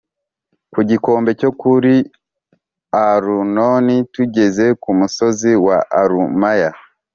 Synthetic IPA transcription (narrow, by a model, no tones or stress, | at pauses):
kuɟiko̞ːmbe̞co̞kuɾi | aɾuno̞nituɟe̞ze̞kumuso̞ziwaʔaɾumaja